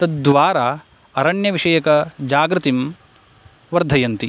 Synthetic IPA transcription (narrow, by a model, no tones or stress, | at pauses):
t̪ɐd̪ʋaːɾaː | ɐɾɐɳjɐʋiʂɐjɐkɐd͡ʒaːɡɾɨt̪im | ʋɐɾd̪ʱɐjɐnt̪i